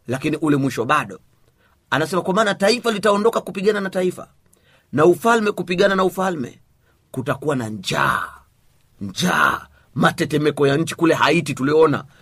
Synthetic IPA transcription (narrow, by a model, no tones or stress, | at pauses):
lakiniʔulɛmwiʃɔɓaɗɔ | anasɛmakwamaːnataifalitaɔndɔkakupiɠananataifa̰ | naufalmɛkupiɠananaufalmɛ̰ | kutakuwanaɲd͡ʒa̰ː | ɲd͡ʒa̰ː | matɛtɛmɛkɔjaɲ̩t͡ʃi̥kulɛɦaitituliɔɔna̰